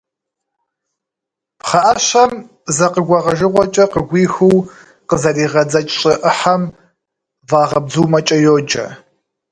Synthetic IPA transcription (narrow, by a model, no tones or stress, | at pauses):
pχɐʔɐɕɐm | zɐqəɡʷɑʁɐʒɨʁʷɔt͡ʃʼɐqəɡʷiːxɨw | qəzɐriːʁɐd͡zɐt͡ʃʼɕʼɪʔɨħam | vaːʁɐb̚zuːmɐt͡ʃʼɐjoːd͡ʒɐ̰